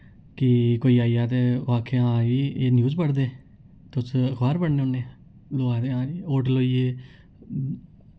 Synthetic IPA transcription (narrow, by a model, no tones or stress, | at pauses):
kɪkoːiːaːijaːt̪eaːkʰːeːãːiːeːnjuːzpəɽd̪eː | t̪ʊsəkʰbaːɾbəɽneõːnːeː | loːaːt̪eːãːiːoːʈloːieː